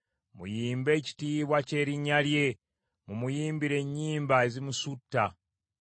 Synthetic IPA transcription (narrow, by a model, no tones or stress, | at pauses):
mṵjiːmbe̞ːci̥tiːβwace̞ːɾiɲːalje̞ | mumujiːmbiɾe̞ɲːiːmbae̞zimusutːa